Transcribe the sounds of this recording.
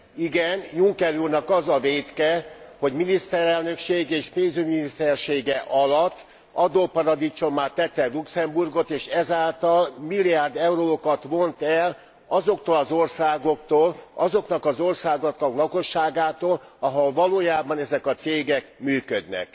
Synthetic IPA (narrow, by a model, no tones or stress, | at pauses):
iɡɛnjuŋkɛɾurnɒkɒzɒveːt̪kɛho̞ɟminist̪ɛɾɛlnø̞kʃeːɡeːʃpeːnzyɟminist̪ɛrʃeːɡɛʔɒlɒt̪ː | ɒd̪oːpɒɾɒd̪it͡ʃo̞mːaːt̪ɛt̪ːɛluksɛmburɡo̞t̪eːʃɛzaːlt̪ɒlmilːijaːrd̪ɛuɾoːkɒt̪ʋo̞nt̪ɛl | ɒzo̞kt̪oːlɒzo̞rsaːɡo̞kt̪oːlɒzo̞kn̪ɒkɒzo̞rsaːɡot̪ɒklɒko̞ʃːaːɡaːt̪oːl | ɒɦolvɒloːjaːbɒnɛzɛkɒt̪seːɡɛkmyːkød̪nɛ̰k